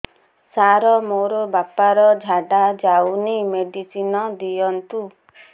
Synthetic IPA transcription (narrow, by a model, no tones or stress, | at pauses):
saɾɔmoɾɔbapaɾɔd͡ʒʱaɖad͡ʒawnimeɖisinɔd̪ijɔnt̪u